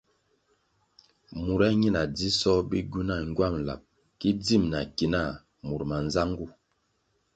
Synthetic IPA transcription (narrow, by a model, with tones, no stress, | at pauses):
mu˨ɾa˦ɲi˦˨na˨d͡zi˦sɔ˦bi˦ɡu˦na˦˨ŋ˦ɡwa˦˨mla̰˨p̚ | ki˦d͡zi˦˨mna˨ki˨na˦˨ | mu˨ɾma˨nza˦ŋɡu˦˨